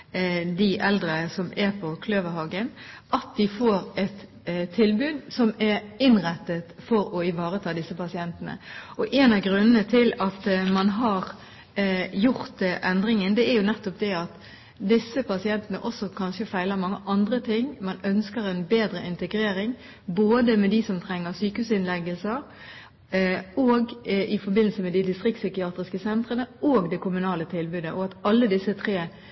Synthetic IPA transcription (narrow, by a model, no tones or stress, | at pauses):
d̪ɪʔɛld̪ɾəsɔmɛpʰɔkʰløːʋəɾɦɑɡənʔɑt̪̚d̪ɪfoːɾɛt̪ | t̪ʰːɪlbʉːd̪sɔmɛɾɪnʁɛt̪ːət̪fɔɾɔɪʋɑːɾət̪ʰɑːd̪ɪsːəpɑsɪɛnt̪ənə̰ɔʔeːnɑʋɡɾʉnːənət̪ʰɪlɑt̪mɑnɦɑɾ | jʊɾt̪ʔɛnd̪ɾɪŋənd̪ɛæɾjʊnɛt̪ːɔp̚d̪ɛɑt̪ | d̪ɪsːəpʰɑsɪɛnt̪ənəʔɔsːɔkʰɑnʃəfæɪləmɑŋːəʔɑnd̪ɾət̪ʰɪŋːmɑnœnskəɾɛnbeːd̪ɾəʔɪnt̪əɡɾeːɾɪŋ | boːd̪əmɛd̪isɔmt̪ʰɾɛŋːəɾsyːkəhʉːsɪnlɛɡəlsəɾ | oːɡʔɪfɔɾbɪnːl̩səmɛd̪ɪd̪ɪst̪ʁɪkt̪sykɪɑːt̪ɾɪskəsɛnt̪ʁənəoːɡd̪ɛkʰʊmʉnɑːlət̪ʰɪlbʉːd̪əʔɔɑt̪ɑlːəd̪ɪsːət̪ʰɾeː